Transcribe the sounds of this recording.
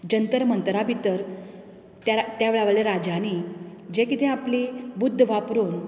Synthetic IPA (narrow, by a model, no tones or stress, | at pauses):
d͡ʑənt̪əɾmənt̪ɾabʱit̪əɾ | t̪at̪jaʋeɭaʋaleɾad͡ʑañid͡ʑekit̪ẽaplibud̪ʱːʋapɾon